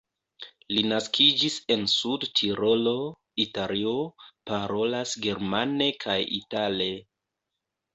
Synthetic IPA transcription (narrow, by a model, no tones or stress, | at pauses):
linaskid͡ʒise̞nsudtʰiɾo̞lo̞ | italio̞paɾo̞lasɡe̞ɾmane̞kʰajḭtale̞